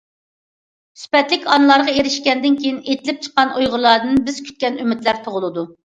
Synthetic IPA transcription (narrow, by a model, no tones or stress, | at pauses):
sy̥pɛt̪lɪkʲʰɑnɨlˠɑɾʁɑeɾɪʃkʲɛnd̪ɪnkʲʰejinet̪ʰɪlɪp̚t͡ʃʰə̥qːɑnʔojʁʊlˠɑɾd̪ɨnbɪz̥kʲʰy̥t̪̚kʲɛnymɪt̪læɾt̪ʰoʁʊlˠɨd̪u